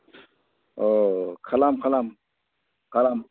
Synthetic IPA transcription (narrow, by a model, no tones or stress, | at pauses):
okʰalamkʰalam | kʰalam